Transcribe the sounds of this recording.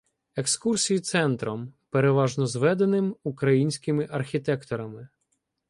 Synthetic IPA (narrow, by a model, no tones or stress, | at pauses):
e̞kskursʲijit̪sɛnt̪ɾɔmpeɾeʋɑʒnɔzʋɛd̪enɪmukɾɐjinʲsʲkɪmɪʔɐrxʲit̪ɛkt̪ɔɾɐmɪ